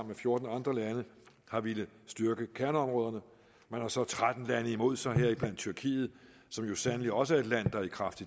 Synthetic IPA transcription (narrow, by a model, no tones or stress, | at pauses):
mnmefjo̝ɐd̥n̩ɑ̈nd̥ʁɐlænə | hɑ̈ʋeləsd̥yɐɡ̥əkʰæɐnəɒ̽mʁɔːð̞ˠɐnə | mænhɑ̈sɒ̽t͡sʰʁad̥n̩lænəimo̝ð̞̰ˠsɑ̈ɪɦeɐ̰ib̥læn̰d̥̚t͡sʰyɐkʰḭːð̞̩ˠ | sɒ̽mjo̝sænəliɒ̽s̬əæɐe̝d̥læn̰d̥ɑ̈ikʰʁɑ̈fd̥i̥